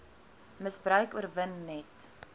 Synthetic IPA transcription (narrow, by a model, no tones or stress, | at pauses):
məsbɾœɥkuərvənːɛt